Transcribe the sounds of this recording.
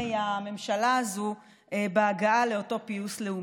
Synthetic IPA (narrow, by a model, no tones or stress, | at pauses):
ejame̞mʃalaːzu | ebeaɡaale̞o̞to̞piusle̞u